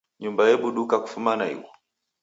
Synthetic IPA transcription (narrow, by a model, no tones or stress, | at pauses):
ɲumbajɛɓuɗukaku̥fumanaḭwɔ